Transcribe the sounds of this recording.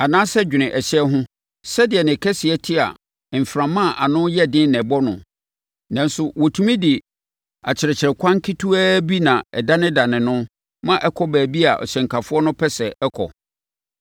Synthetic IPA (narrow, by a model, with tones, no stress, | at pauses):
a˨nã˦sɛ˦d͡ʑᶣɪ˨nɪ̃˨ʔɛ˨ɕɛ˦ɦʊ̃˦ | sɛ˦dɪ˨ɛ˨nɪ̃˨kʰɛ˦sɪ˨ɛ˦tʰɪ˦a̰˨ | m̩˨fɾã˨mã˦˨ʔa˨nʊ̃˦jɛ˦dɪ̃˦n˦nɛ̃˨bɔ˦nʊ̰̃˨ | nã˨n˦sʊ˦wo˨tʰũ˦mĩ˦di˨ | a˨t͡ɕʰɪ˨ɾɛ˨t͡ɕʰɪ˨ɾɛ˨kʰʷã˦ŋ˦kʰi˦tʰu˦æː˦bi˦nã˨ɛ˨da˦nɪ̃˦da˨nɪ̃˨nʊ̃˦ | mã˦ʔɛ˦kʰɔ˦bæː˨bi˦a̰˨ʔɔ̰˨ɕɛ̃˨ŋ̩˨kʰa˨fʊ˦ɔ˦nʊ̃˦pʰɛ˦sɛ˨ɛ˦kʰɔ̰˨